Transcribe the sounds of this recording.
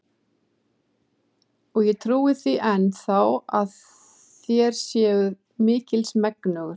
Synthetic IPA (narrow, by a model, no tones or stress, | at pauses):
ɔɣjɛt̪ʰɾuːɪθiʔɛnːθawað | θjɛɾ̥sjɛːɣʏð | mɪːcɪlsmɛknʏɣʏɾ̥